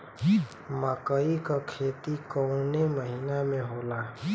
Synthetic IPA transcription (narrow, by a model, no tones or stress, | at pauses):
məkəikakʰeːt̪ikəʊ̃neməɦiːnamẽɦoːla